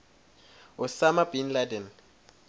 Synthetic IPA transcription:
ʊsamabinladɛn

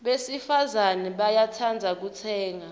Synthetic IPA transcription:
ɓesifazanɛɓajatʰand͡zʱak̬ut͡sʰɛːŋa

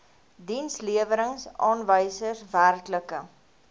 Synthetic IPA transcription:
dinsliəvəɾəŋsɑːnvəjsəsværkləkə

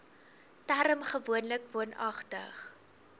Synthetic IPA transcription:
tæɾəmχəvuənləkvuənɐ̰χtə̰χ

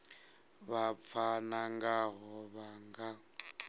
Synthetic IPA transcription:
βap̪fʰanaŋɡaɦɔβaŋɡa

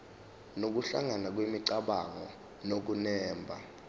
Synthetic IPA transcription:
nok̬uɬa̰ŋanak̬wimiǀaɓaŋɔ | nok̬unɛːmbʱa

